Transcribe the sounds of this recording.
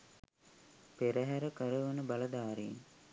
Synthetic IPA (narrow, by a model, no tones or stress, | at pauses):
peɾəɦæɾəkəɾəʋənəbaləd̪aːɾeḛn